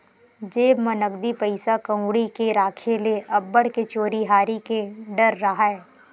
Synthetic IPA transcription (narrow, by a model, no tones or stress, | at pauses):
d͡ʒeːbmɐnəkd̪ipəɪsakɐ̃uɽikeɾaːkʰeleʔɐbːəɽket͡ʃoːɾiɦaːɾikeɖəɾːɐɦaɦɛː